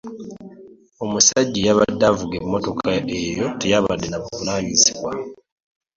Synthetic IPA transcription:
o̞musaɟːijaβadːavuɡemːo̞to̞kʰae̞jo̞te̞jaβadːenaβukunaːjisiβwa

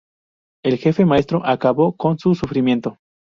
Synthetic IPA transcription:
e̞lxe̞fe̞mae̞st̪ɾoʔakaβo̞ko̞nsusufɾimjẽ̞nt̪o̞

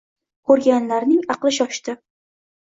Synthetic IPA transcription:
kʰɵɾɡʲanlaɾnɪŋɑqlˠɪʃ̬ɒʃt̪ɪ

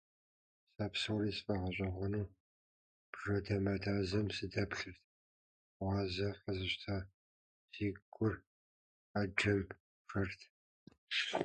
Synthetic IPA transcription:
saːpsɨwriːsfʼɐʁɐɕʷʼɐʁʷɔnuː | b̥ʐ̥ɐdɐmɐdʰaːzɐmsɨdɐpɬɨrtʰ | ʁʷɑːzɐħəzɨɕtʰaː | z̥iːɡʷʼʊr | aːd͡ʒɐm | ʂɐrtʰ

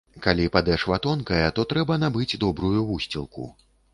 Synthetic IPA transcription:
kalʲipad̪ɛʂvat̪ɔnkɐjɛt̪ɔt̪ɾɛbɐnabɨd͡zʲd̪ɔbɾujuvusʲt͡sʲilˠkṵ

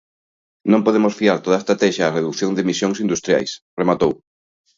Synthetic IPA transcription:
nõmpoðemosfiaɾt̪oð̞ɐest̪ɾat̪ɛʃaːreðukθjõŋd̪emisjoŋsind̪ust̪ɾja̰jsremat̪ow

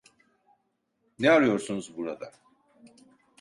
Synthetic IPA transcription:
nɛaɾɯjo̞ɾsunuzbuɾad̪a

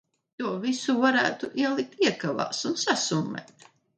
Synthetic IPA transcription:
t̪uɔvisuvaɾæːt̪uʔiɛlˠik̚t̪iɛkava̰ːsunsasumːɛ̰ːt̪

